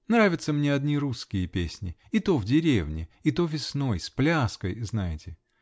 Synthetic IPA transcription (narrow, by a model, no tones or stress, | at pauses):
nɾavʲɪt̪səmnʲeɐd̪nʲiɾuskʲɪjəpʲesʲnʲɪ̰it̪o̞vdʲɪɾʲevnʲɪit̪o̞vʲɪsno̞jsplʲaskəjznajɪtʲɪ